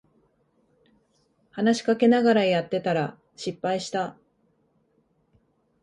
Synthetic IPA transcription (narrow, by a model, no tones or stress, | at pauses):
hanaɕi̥kake̞naɡaɾajat̪ːe̞t̪aɾa | ɕipːaiɕi̥t̪a